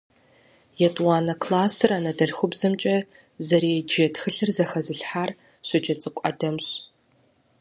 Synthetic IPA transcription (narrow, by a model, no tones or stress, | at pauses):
jɛtʼwaːnɐkʰlaːsɨraːnɐdɐɮxʷʊbzɐmt͡ʃʼɐ | zɐɾeːd͡ʒeːtʰxɨɬɨrzɐxɐzɨɬħaːr | ɕʷɔd͡ʒɐt͡sʼɨkʷʼɐ̰dɐmɕ